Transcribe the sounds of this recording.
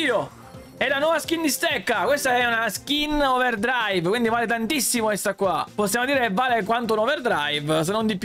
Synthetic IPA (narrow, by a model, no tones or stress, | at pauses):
iːo | ɛlːanwɔvask̟ind̪ist̪ɛkːakwest̪aɛunask̟inɔverd̪ɾajvkwind̪ivaːlet̪ant̪isːimokest̪akːwaposːjaːmod̪iːɾeevːaːlekwant̪onɔverd̪ɾajvs̬enond̪ip